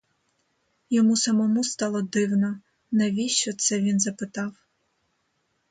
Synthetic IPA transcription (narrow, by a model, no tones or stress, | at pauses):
jɔmusɐmɔmust̪ɑlˠɔd̪ɪwnɔ | nɛʋʲiʃt͡ʃɔt̪sɛʋʲinzɐpɪt̪ɑw